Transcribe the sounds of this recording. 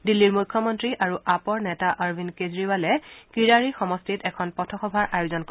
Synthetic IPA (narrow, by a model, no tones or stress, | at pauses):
dilːiɹmujkʰːɔmɔntɹiʔaɹuʔapɔɹnɛtaʔaɹbʱinkezɹiwalɛkiɹaɹixɔmɔstitɛkʰɔnpɔtʰɔxɔbʱaɹʔajozɔnk